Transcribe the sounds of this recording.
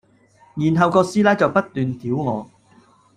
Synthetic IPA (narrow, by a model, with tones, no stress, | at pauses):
jiː˨˩nɦɐ˨˧wkɔː˧siː˥laː˥t͡sɐ˨wpɐ˥t̚t̪yː˨nt̪iː˨˥wŋɔː˨˧